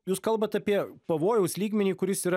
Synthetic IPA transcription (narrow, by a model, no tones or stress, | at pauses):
juːskɐlˠbɐt̪ɐpʲiɛpɐʋoːjɛʊslʲiːɡmʲɛnʲiːkʊɾʲɪsiːɾɐ